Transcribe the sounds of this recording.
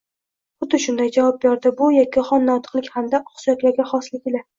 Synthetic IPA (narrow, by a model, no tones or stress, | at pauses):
bʊt̪ʰɪʃʊnd̪ajd͡ʒavɒp̚bʲaɾd̪ɪbʊjɒkʲʰːɪχɒnːɒt̪ʰɨ̥qlˠɪkʲhamd̪aʔχsʊjat̪laɾɡʲaχɒslɪkʲɪla